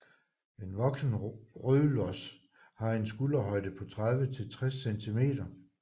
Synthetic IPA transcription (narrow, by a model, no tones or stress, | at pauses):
e̝nʋɒ̽ɡ̥sn̩ʁøːlɒs | hɑ̈e̝nsɡ̥ulɐɦɒ̽ɪd̥ð̩ˠpʰɒ̽t͡sʰʁaðˠʋət͡sʰe̝lt͡sʰʁɛsːent͡sʰime̝̰ːd̥ɐ